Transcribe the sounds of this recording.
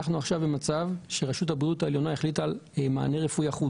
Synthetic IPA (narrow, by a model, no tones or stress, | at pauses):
aχnuaχʃavbemat͡savʃe̞ʁeʃuthabʁiutaeljo̞najeχlitalma̰ːne̞ʁefujaχu